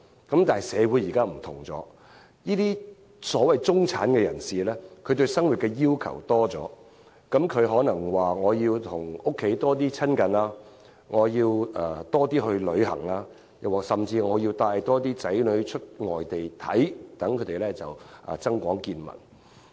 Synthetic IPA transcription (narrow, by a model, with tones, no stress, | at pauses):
kɐ˨˥mt̪aː˨jsɛː˨˧wuː˨˥jiː˨˩kaː˥m̩˨˩t̪ʰʊ˨˩ŋt͡sɔ̰ː˨˥ | jiː˥t̪iː˥ | sɔː˨˥wɐ˨jt͡sʊ˥ŋt͡sʰa̰ː˨˥nkɛː˧jɐ˨˩nsiː˨lɛ˥kʰɵ˧ɥt̪̬ɵ˧sɐ˥ŋwu˨t̚kɛ˧jiː˥wkʰɐ̰˨˩wt̪ɔː˥t͡sɔ̰ː˨˥ | kɐ˨˥mkʰɵ˨˧ɥɦɔː˨˥nɐ˨˩ŋwaː˨˩ŋɔː˨˧jiː˧wt̪ʰʊ˨˩ŋʊ˥kʰːe˨˥jt̪ɔː˥t̪̬iː˥t͡sʰɐ˥nkɐ˨nlaː˧ | ŋɔː˨˧jiː˧waː˨t̪ɔː˥t̪̬iː˥ɦɵ˧ɥlɵ˨˧ɦɐ̰˨˩ŋlaː˧ | jɐ˨waː˨sɐ˨mt͡siː˧ŋɔː˨˧jiː˧wt̪aː˧jt̪ɔː˥t̪iː˥t͡sɐ˨˥jlɵ˨˧ɥt͡ʃʰɵ˥t̚ŋɔː˨jt̪e˨jt̪ʰɐ̰˨˥jt̪ɐ˨˥ŋkʰɵ˨˧t̪e˨˩lɛː˥t͡sɐ̰˨wʔɐ̰ː˨˩t͡sɐ˥ŋkʷɔː˨˥ŋkiː˧nmɐ̰˨˩n